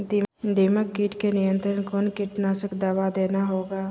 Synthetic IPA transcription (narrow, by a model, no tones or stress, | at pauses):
d̪id̪iːməkːiʈkenɪjə̃nt̪ɾənkoːnkɪʈnaʃəkd̪əʋad̪eːnaɦoːɡaː